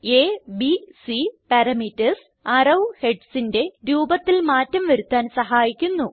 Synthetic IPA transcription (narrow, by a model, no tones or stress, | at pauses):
eːbisipɐɾɐmitːɐs | ɐrɐwheɖsinde̞ɾuːbɐt̪ːilmaːtːɐmʋɐɾut̪ːaːnsɐɦaːjikʲːunːu